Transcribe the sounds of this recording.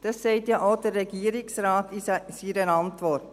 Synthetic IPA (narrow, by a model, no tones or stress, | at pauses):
d̥ɑsːɛɪtjaʔoʊdərːɛɡiəɾɪksɾaːtisiɾənɑntʋɔrt